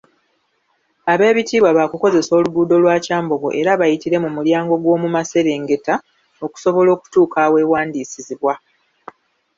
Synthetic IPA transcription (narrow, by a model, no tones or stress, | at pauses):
aβe̞ːβitiːβwaβakuko̞ze̞so̞ːluɡuːdo̞lwaːcaːmbo̞ɡo̞̰ʔe̞ɾaβajitiɾe̞mumuljaːŋɡo̞ɡwo̞ːmumase̞ɾe̞ːŋɡe̞ta | o̞ku̥so̞βo̞lo̞ːku̥tuːkawe̞ːwaːndiːsiziβwa